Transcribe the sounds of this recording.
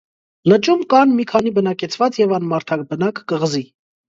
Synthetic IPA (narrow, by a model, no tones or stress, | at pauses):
lət͡ʃumkɑnmikʰɑnibənɑkɛt͡sʰvɑt͡sjɛvɑnmɑɾt̪ʰɑk̚bənɑkːəʁəzi